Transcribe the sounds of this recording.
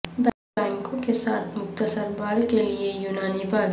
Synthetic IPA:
bɐ | aːŋkʰʊkɛsaːt̪mʊkt̪ɐsɐɾbaːlɡɛlejeːjʊnaːnibaːl

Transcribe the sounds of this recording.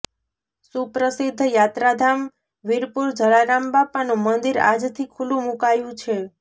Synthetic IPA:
supɾəsid̪ʱːjat̪ɾad̪ʱam | ʋiɾpuɾd͡ʒʱəlaɾambapanumənd̪iɾa̰d͡ʒt̪ʰikʰulũmukajũt͡ʃʰe

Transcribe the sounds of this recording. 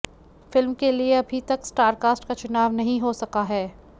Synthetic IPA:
fɪlmkelieɐbʱit̪ɐksʈaːɾkaːsʈkat͡ʃʊnaːʋnɐɦĩɦosɐkaɦɛː

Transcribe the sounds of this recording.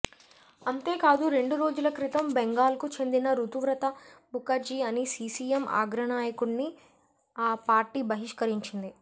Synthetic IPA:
ɐnt̪e̞ːkaːd̪uɾe̞ɳɖuɾo̞ːd͡ʒulɐkɾit̪ɐmbeŋɡaːlɐkut͡ʃe̞nd̪inɐɾut̪uʋɾɐt̪ɐbukɐɾd͡ʒiɐnisisiema̰ːɡɾɐnaːjɐkuɽnːi | aːpaːɾʈiːbɐɦiʂkɐɾiɲt͡ʃind̪i

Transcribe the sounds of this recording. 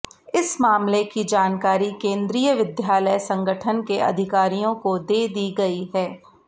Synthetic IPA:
ɪsmaːmlekid͡ʒaːnkaːɾikẽːnd̪ɾijəʋɪd̪jaːləjsɐ̃ŋɡəʈʰənkeʔɐ̰d̪ʱɪkaːɾijõkod̪eːd̪iɡɐiɦɛː

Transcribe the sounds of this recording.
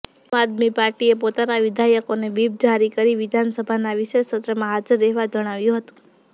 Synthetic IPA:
mad̪mipaɾʈiepot̪anaʋid̪ʱajəkonebib̚d͡ʒʱaɾikəɾiʋɪd̪ʱansəbʱanaʋiʃessət̪ɾəmãɦad͡ʒəɾːɛɦʋad͡ʒəɽ̃aʋjũɦət̪ũ̥

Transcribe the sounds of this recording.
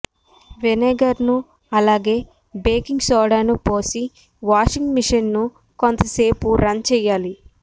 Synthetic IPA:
ʋenɛːɡɐɾnu | ɐlaːɡe̞ː | beːkiŋɡsɔːɽanupo̞ːsi | ʋaːʂiŋɡmiʂɐnnu | kont̪ɐse̞ːpuɾɐnt͡ʃɛːjːaːli

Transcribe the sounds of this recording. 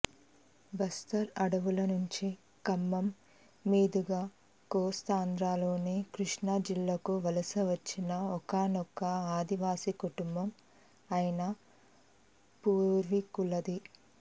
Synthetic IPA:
bɐst̪ɐɾɐɽɐʋulɐnuɲt͡ʃi | kɐmːɐmː | iːd̪uɡaː | koːst̪aːnd̪ɾaːlo̞ːneːkɾiʂɳad͡ʒilːɐkuʋɐlɐsɐʋɐt͡ʃːinɐɔkanɔkɐaːd̪iʋaːsikuʈumbɐm | ɐjɐnɐ | puːɾʋikulɐd̪i

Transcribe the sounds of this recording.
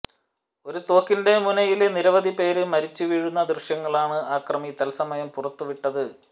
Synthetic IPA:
o̞ɾut̪o̞ːkːinde̞munɐjilniɾɐʋɐd̪ʱipe̞ːɾɨmɐɾit͡ɕːuʋiːɻunːɐd̪riɕjɐŋːɐɭaːɳɨaːkrɐmit̪ːɐlsɐmɐjɐmpurɐt̪ːuʋiʈːɐðɨ

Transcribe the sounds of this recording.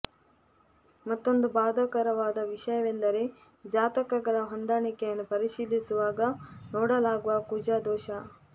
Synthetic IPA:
mɐt̪ːo̞nd̪ubaːd̪ɐkɐɾɐʋaːd̪ɐʋiʃɐjɐʋend̪ɐɾe̞ | d͡ʒaːt̪ɐkɐɡɐɭɐɦond̪aːɳikɛjɐnːupɐɾiʃiːlisuʋaːɡɐnɔːɽɐlaːɡuʋɐkud͡ʒaːd̪ɔːʃɐ

